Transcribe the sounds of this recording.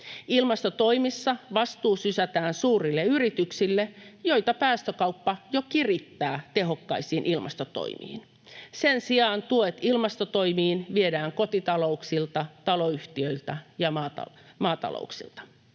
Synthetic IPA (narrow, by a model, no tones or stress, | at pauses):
ilmɑst̪ot̪oimisːɑʋɑst̪uːsysæt̪æːnsuːrilːeyrit̪yksilːejojt̪ɑpæːst̪økɑuwpːɑjokirit̪ːæːt̪eɦo̞kːɑisiːnʔilmʔɑ̰st̪ot̪o̰imḭːn | sensiɑːnt̪uet̪ilmɑst̪ot̪oimiːnʋiedæːŋkot̪it̪ɑlo̞uksilt̪ɑt̪ɑloyht̪iøilt̪æjɑmɑːt̪ɑ̰mɑːt̪ɑ̰lo̰ˑuksḭlt̪ɑ̥